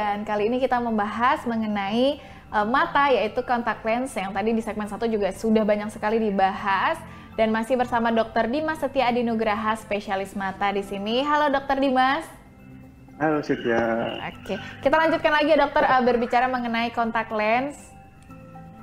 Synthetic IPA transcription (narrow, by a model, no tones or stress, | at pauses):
dankaliːnikit̪aməmbaɦasməŋənai | ʔəmat̪ajait̪ukɔnt̪ak̚lɛnsjaŋt̪adidisɛk̚mɛnsat̪ud͡ʒuɡasudahbaɲak̚səkalidibaɦas | danmasɪhbərsamadɔk̚t̪ərdimasːət̪iadinoɡɾaɦaspeʃialɪsmat̪adisiniɦalodɔk̚t̪ərdimas | halosət̪iaʔo̰kekit̪alaɲd͡ʒut̪kanlaɡiadɔk̚t̪ərəbərbit͡ʃaɾaməŋənaikɔnt̪ak̚lɛns